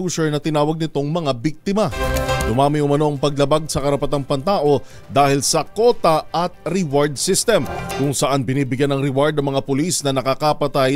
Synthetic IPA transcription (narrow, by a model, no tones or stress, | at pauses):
usɛɹnɐt̪ɪnaːwɐɡ̚nɪt̪o̞ŋmɐŋabik̚t̪ɪmɐd̪ʊmaːmɪʔʊmɐno̞ʔɐŋpɐɡlɐbaɡ̚sɐkɐɾɐpɐt̪aŋpɐnt̪aːʔo̞ | d̪aːhɪlsɐko̞ːt̪ɐʔɐt̪̚ɾɪwaɹd̪̚sist̪ɛmkʊŋsɐʔanbɪniːbɪɡjanɐŋɾɪwaɹd̪nɐŋmɐŋapʊlisnɐnɐkɐkɐpɐt̪aj